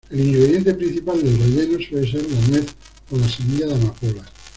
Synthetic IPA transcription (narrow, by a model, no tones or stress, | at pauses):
eliŋɡɾe̞ðje̞nt̪epɾin̟θipald̪elzoðenosweles̬eɾlanweθ | oðasemiʎaðamakola